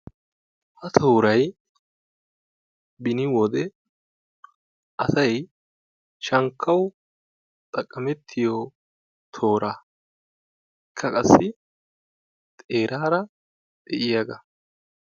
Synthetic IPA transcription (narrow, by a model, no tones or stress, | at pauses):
hɐt̪ʰo̞ːɾɐj | bɪnɪwɔd̪ɛ | ʔɐsɐj | ʃɐŋkʰːɐw | t̪ʼɐkʼːɐmɛt̪ʰːɪjɔ | t̪ʰo̞ːɾa | ɪkʰːɐkʼɐsːɪ | t̪ʼe̞ːɾʔaːɾɐ | d̪ɛʔɪjɐɡɐ